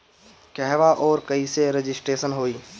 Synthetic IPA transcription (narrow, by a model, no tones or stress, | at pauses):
kɛɦʋaʔɔːɾkəiseɾɪd͡ʒɪsʈɾeːsənɦoːiː